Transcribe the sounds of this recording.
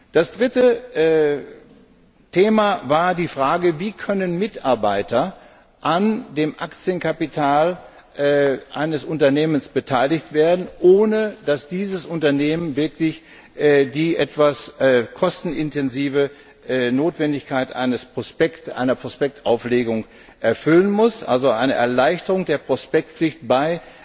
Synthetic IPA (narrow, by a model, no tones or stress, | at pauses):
d̥asd̥ʁɪtəʔɛː | tʰeːmavaːɐdiːfʁ̥aːɡəviːkʰœnənmɪtaɐbaɪtɐ | ʔandeːmʔakt͡sjənkʰapitʰaːl | ʔɛːʔa̰ɪnəsʊntɐneːmənsb̥ətʰaɪlɪçtv̥eːɐdn̩ʔoːnəd̥asd̥iːzəsʔʊntɐneːmənvɪɐklɪç | ʔːdiːʔɛ̰tv̥asːkʰɔstn̩ɪntɛnziːvə | ʔːnoːtv̥ɛndɪçkʰaɪtʔa̰ɪnəspʁ̥ospɛktʔa̰ɪnɐpʁ̥ospɛk̚tʔaʊfleːɡʊŋ | ʔɛɐfʏlənmʊsʔa̰lzoʔa̰ɪnəʔɛ̰ɐlaɪçtəʁʊŋdeːɐpʁ̥ospɛk̚tp͡flɪçtb̥aɪ